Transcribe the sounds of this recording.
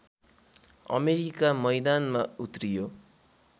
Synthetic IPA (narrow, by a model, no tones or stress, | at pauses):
ʌ̰meɾikamʌjd̪anmaut̪rijo